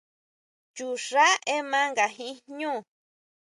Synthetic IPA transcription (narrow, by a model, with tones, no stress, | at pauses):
t͡ʃu˨ʐa˦ʔe˦mã˦ŋɡa˨ɦĩ˦ɲũ˦˨